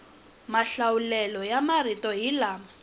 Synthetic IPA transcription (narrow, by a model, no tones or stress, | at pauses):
maɬawulɛlɔjamaritɔɦilaːma